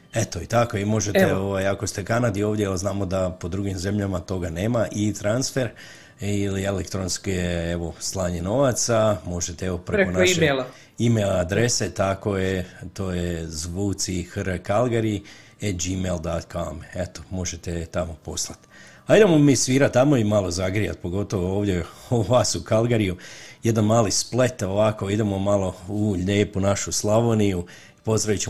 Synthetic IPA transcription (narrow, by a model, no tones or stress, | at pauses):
et̪oit̪akoimo̞ʒeeoʋajako̞st̪e̞kanad̪io̞ːʋd̪jeelznaːmo̞d̪apo̞d̪ɾuɡimze̞mʎamat̪o̞ɡaneːmaʔit̪ɾansfe̞ɾ | ilielekt̪ɾonskieeʋo̞slˠaːɲeno̞ʋat̪samo̞ʒet̪eeʋo̞pɾeɾekonʃieela | imelad̪ɾe̞se̞t̪ako̞jet̪oːjezʋuːt̪sixɾkalˠɡaɾi | ed͡ʒimeld̪at̪kʰameet̪o̥mo̞ʒet̪et̪amo̞po̞slˠat̪ | aid̪emomiːsʋiːɾat̪ːamo̞imalˠozaɡɾija̰t̪̚po̞ɡo̞t̪o̞ʋooːʋd̪jeoʋaːsukalɡaɾijuje̞d̪anmaːlisple̞t̪o̞ʋako̞id̪e̞mo̞malo̞uʎeːpunaʃuslˠaʋoniju | ipo̞zd̪ɾaʋit͡ɕe